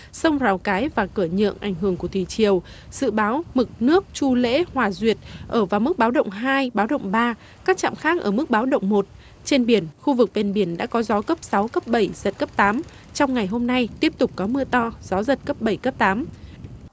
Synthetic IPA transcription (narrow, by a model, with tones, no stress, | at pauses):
sə˧wŋ͡mzaː˨˩wkaː˨˦jvaː˨˩kɨ˧˩ɲə̰˧˨ənʔa˧˩jŋ̟ɦɨ˧˩əŋku˧˩ət̪ʰi˨˩t͡ɕi˨˩əw | z̥ɨ̰˧˨ɓaː˨˦wmɨ˨˩k̚nɨ˦˥ək̚t͡ɕu˧lḛ˧˥hwaː˨˩zwi˨˩ət̚ʔəː˧˩vaː˨˩wmɨ˦˥k̚ɓaː˨˦wɗə̰˧˨wŋ͡mɦaː˧jɓaː˨˦wɗə̰˧˨wŋ͡mɓaː˧ | kaː˦˥k̚t͡ɕa̰ː˧˨mxaː˦˥k̚ʔəː˧˩mɨ˦˥k̚ɓaː˨˦wɗə̰˧˨wŋ͡mmo˨˩t̚ | t͡ɕe˧nɓi˧˩ənxu˧vɨ˨˩k̚ɓe˧˩nɓi˧˩ənɗa̰ː˧˥kɔ˨˦zɔ˨˦kə˦˥p̚sa˨˦wkə˦˥p̚ɓə˧˩jzə˨˩t̚kə˦˥p̚t̪aː˨˦m | t͡ɕɔ˧wŋ͡mŋa˨˩jɦo˧mna˧jt̪i˦˥əp̚t̪ʊ˨˩k͡p̚kɔ˨˦mɨ˧ət̪ɔ˧z̥ɔ˨˦zə˨˩t̚kə˦˥p̚ɓə˧˩jkə˦˥p̚t̪aː˨˦m